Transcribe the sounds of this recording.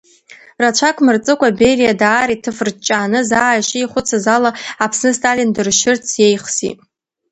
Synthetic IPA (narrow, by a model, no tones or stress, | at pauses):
rat͡ɕʷʰakʷʰʼmɨrt͡sʼɨkʷaberijadaːɾitʰɨfrt͡ʃʼaːnɨzaːjʃijχʷʊt͡sʰazalaapʰsnɨstʰʼalʲindɨrʃɪrt͡sʰjejχsḭ